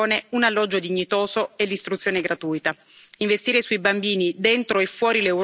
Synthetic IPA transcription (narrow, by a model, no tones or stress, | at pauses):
neunalːɔd͡ʒːod̪iɲːit̪oːzoelːist̪ɾut̪sjoːneɡɾat̪uːjt̪a | iɱvest̪iːɾesuibambiːnid̪ent̪ɾoefːwɔːɾilewɾ